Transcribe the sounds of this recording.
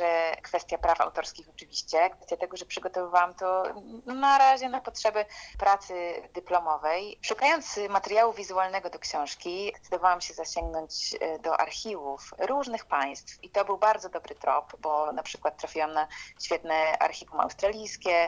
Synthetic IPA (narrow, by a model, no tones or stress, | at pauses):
ʐɛkfɛst̪japɾafa̰wt̪ɔɾskʲixɔt͡ʂɘvʲiɕt͡ɕɛkfɛst̪ʲjat̪ɛɡɔʐɛpʂɘɡɔt̪ɔvɘvawamt̪ɔnaɾaʑɛnapɔtʂɛbɘpɾat̪sɘd̪ɘplɔmɔvɛjʂukajɔnt̪smat̪ɛɾjawuvʲizualnɛɡɔd̪ɔkɕɔ̃w̃ʂkʲiɛ̥t̪sɨd̪ɔvawamɕɛzaɕɛŋɡnɔɲd͡ʑd̪ɔʔa̰ɾxʲivufɾuʐnɘxpaj̃st̪fit̪ɔbɘwbaɾd̪zɔd̪ɔbɾɘt̪ɾɔ̰pbɔnapʂɘkwat̪ːɾafʲiwamnaɕfʲjɛt̪nɛʔa̰ɾxʲivuma̰wst̪ɾalʲijskʲɛ